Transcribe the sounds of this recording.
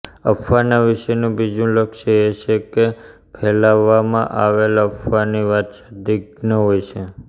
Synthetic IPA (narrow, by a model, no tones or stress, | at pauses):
ə̰fʰːanaʋɪʃənũbid͡ʒũləkʃeet͡ʃʰeke | pʰɛlaʋːamã̰ʔaʋeləfʰaniʋat̪ʃed̪iɡnəɦojt͡ʃʰe